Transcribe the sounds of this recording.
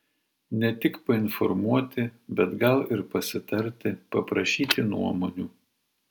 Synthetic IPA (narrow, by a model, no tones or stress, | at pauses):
nʲɛt̪ʲɪkpɐɪnfɔɾmuɔt̪ʲɪbʲɛt̪ɡɐlˠɪɾpɐsʲɪt̪ɐɾʲt̪ʲɪpɐpɾɐʃʲiːt̪ʲɪnṵɔmoːnʲuː